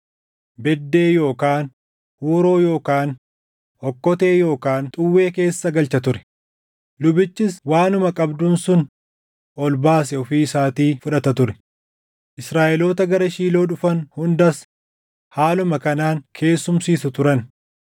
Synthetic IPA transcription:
bɛd̪ːe̞ːjo̞ːkaːn | huːɾo̞ːjo̞ːkaːn | ɔkːɔt̪e̞ːjo̞ːkaːnt̪ʼʊwːe̞ːke̞ːsːɐɡɐlt͡ʃɐt̪ʊɾɛ̥ | lʊbɪt͡ʃːɪswaːnʊmɐkʼɐbd̪uːnsʊn | ʔɔlbaːs̬ɛɔfiːɪsaːt̪iːfʊᶑɐt̪ɐt̪ʊɾɛ̥ | ʔɪsɾaːʔɛlo̞ːt̪ɐɡɐɾɐʃiːlo̞ːᶑʊfɐnhʊnd̪ɐs | haːlʊmɐkɐnaːŋkʰe̞ːsːʊmsiːsʊt̪ʊɾɐn

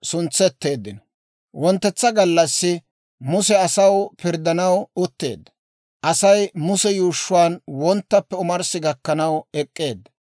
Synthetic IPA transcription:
sʊnt͡sːɛt̪ːe̞ːd̪ːɪnɔ̥ | wɔnt̪ːɛt͡sːɐɡɐlːɐsːɪ | mʊsɛɐsɐwpɪɾd̪ɐnɐwʊt̪ːe̞̰ːd̪ːɐ̥ | ʔɐsɐjmʊsɛjuːʃːʊwaːnwɔnt̪ːɐpːɛʊmɐɾsɪɡɐkːɐnɐwɛkʼːe̞ːd̪ːɐ̥

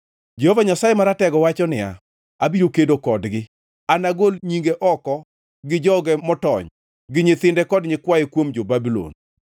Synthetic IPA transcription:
d͡ʒɛhovaɲasajemaɾatɛɡɔwat͡ʃɔnɪa̰ | abiɾokedokɔdɡɪ | anaɡolɲiŋɡeʔɔkɔ | ɡɪd͡ʒɔɡɛmɔtɔɲ | ɡɪɲɪt̪ɪndɛkɔdɲɪkwajekwomd͡ʒobabilo̰n

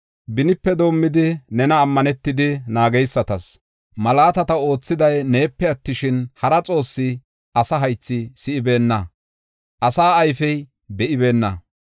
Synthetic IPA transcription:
bɪnɪpːɛd̪o̞ːmːɪd̪ɪnɛnɐːmːɐnɛt̪ːɪd̪ɪnaːɡɛjsːɐt̪ɐs | mɐlaːt̪ɐt̪ɐo̞ːt͡sːɪd̪ɐjne̞ːpːɛɐt̪ːɪʃɪnhɐɾɐt͡sʼo̞ːsːɪ | ʔɐsɐɦɐjt͡sːɪsɪʔɪbe̞ːnːɐ | ʔɐsaːɐjfɛj | bɛʔɪbe̞ːnːɐ

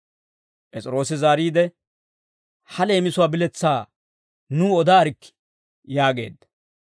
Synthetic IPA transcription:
pʼɛt͡sʼɪɾo̞ːsɪzaːɾiːd̪ɛ | hɐle̞ːmɪsʊwaːbɪlɛt͡sːaː | nuːɔd̪aːɾɪkː | jaːɡe̞̰ːd̪ːɐ̥

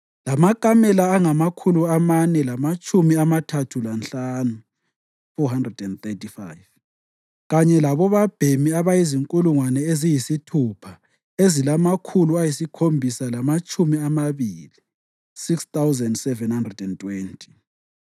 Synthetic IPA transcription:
lamakʼamɛlaːŋamakʰuluamanɛlamat͡ʃʼumiamatʰatʰulanɬanu | fɔɦandrɛdɛndt̪etʼifa̰jv | ɣaɲɛlaβɔβab̥ʱemiaβajiziŋkʼuluŋwanɛezijisitʰupʰa | ezilamakʰuluajisikʰombʱisalamat͡ʃʼumiamaβili | sikst̪awzɛndsɛvɛnhandrɛdɛntʼwentʰʼi̥

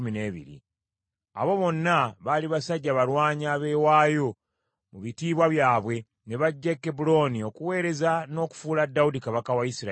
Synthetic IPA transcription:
mine̞ːβḭɾḭ | a̰βo̞βo̞nːaβaliβasaɟːaβalwaːɲaːβe̞ːwaːjo̞ | muβitiːβwaβjaːβwe̞ | ne̞βaɟːekːebulo̞ːnio̞kuwe̞ːɾe̞zano̞ːku̥fuːladːawudikaβakawaisiɾa

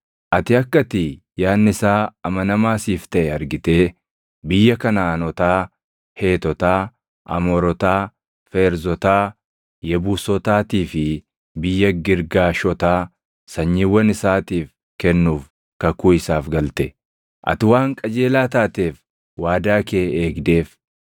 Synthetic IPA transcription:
ʔɐt̪ɪɐkːɐt̪ɪ | jaːnːɪsaːɐmɐnɐmaːsiːft̪ɐʔɛɐɾɡɪt̪e̞ː | bɪjːɐkɐnaːnɔt̪aː | he̞ːt̪ɔt̪aː | ʔɐ̰mɔɾɔt̪aː | fe̞ːɾzɔt̪aː | jɛbuːsɔt̪aːt̪iːfɪ | bɪjːɐɡɪɾɡaːʃɔt̪aː | sɐɲːiwːɐnɪsaːt̪iːf | kɛnːuːf | kɐkuːɪsaːfɡɐlt̪ɛ | ʔɐ̰t̪ɪwaːŋkʼɐd͡ʒe̞ːlaːt̪aːt̪e̞ːf | waːd̪aːkeːeːɡd̪e̞ːf

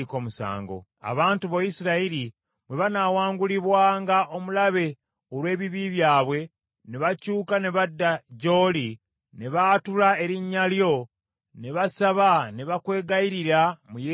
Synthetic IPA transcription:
ko̞ːmusa̰ːŋɡo̞̰ | a̰βaːntuβojisiɾaiɾi | mwe̞βanaːwaːŋɡuliβwaːŋɡaʔo̞mulaβe̞ | olwe̞ːβiβiβjaːβwe̞ | neβacuːkane̞βadːaɟo̞ːli | ne̞βatulaeɾiɲːaljo̞ | neβasaβane̞βakwe̞ːɡaiɾiɾamuje

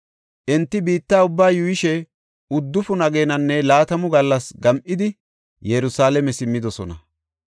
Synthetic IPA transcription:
ʔɛnt̪ːɪbiːt̪ːaːʊbːaːjʊjɪʃɛ | ʊd̪ːʊfʊnɐɡeːnɐnːɛlaːt̪ɐmʊɡɐlːɐsɡɐmʔɪd̪ɪ | jɛɾʊsaːlɛmɛsɪmːɪd̪ɔsɔnɐ

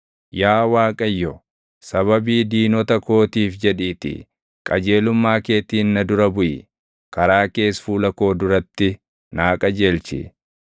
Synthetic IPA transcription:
jaːwaːkʼɐjːɔ | sɐβɐbiːd̪iːnɔt̪ɐko̞ːt̪iːfd͡ʒɛᶑiːt̪ɪ̰ | kʼɐd͡ʒe̞ːlʊmːaːke̞ːt̪iːnnɐd̪ʊɾɐbʊʔɪ̰ | kɐɾaːke̞ːsfuːlɐko̞ːd̪ʊɾɐt̪ːɪ | naːkʼɐd͡ʒe̞ːlt͡ʃɪ̰

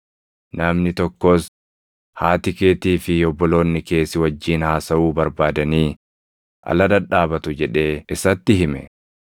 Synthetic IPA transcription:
nɐmnɪt̪ɔkːo̞ːs | haːt̪ɪkeːt̪iːfɪjɔbːɔlo̞ːnːɪke̞ːsːɪwɐd͡ʒːiːnhaːsɐʔuːbɐɾbaːd̪ɐniː | ʔɐ̰lɐd̪ɐᶑaːbɐt̪ʊd͡ʒɛᶑe̞ːɪsɐt̪ːɪɦɪmɛ

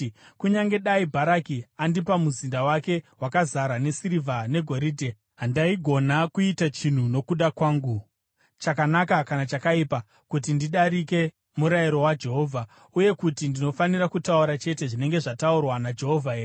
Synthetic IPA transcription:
kuɲaŋɡe̞ɗaibʱaɾakiandipamuzindawake̞wakazaɾane̞siɾivʱane̞ɡʱo̞ɾiːdʱe̞ | ɦandaiɡʱo̞nakuitat͡ʃin̤uno̞kuɗakwaːŋɡu | t͡ʃakanakakanat͡ʃakaipa | kut̬indiɗaɾike̞ | muɾaiɾo̞wad͡ʒe̞ɦo̞ːvʱa | uje̞kutindino̞fanirakutauɾat͡ʃe̞te̞ʐine̞ŋɡe̞ʐataurwanad͡ʒe̞ɦo̞vʱae

